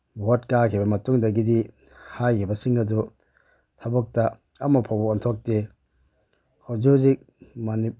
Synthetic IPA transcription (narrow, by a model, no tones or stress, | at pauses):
bʱot̚kakʰibɐmɐtuŋdɐɡidi | hajkʰibɐsiŋɡɐdu | tʰɐbɔk̚tɐ | ɐmːɐpʰawboɔntʰok̚te | hod͡ʒuzik̚ | mani